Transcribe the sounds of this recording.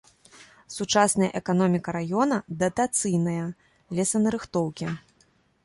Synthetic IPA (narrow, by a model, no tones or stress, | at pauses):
sut͡ʂasnɐjɐ̰ʔɛkanɔmʲikɐɾajɔnɐd̪ɐt̪at̪sɨjnɐjɐ | lʲɛsɐnɐɾɨxt̪ɔwkʲi